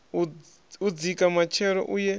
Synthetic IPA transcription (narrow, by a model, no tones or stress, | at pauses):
ud͡zikamat͡ʃʰɛɾɔ̰ʔujɛ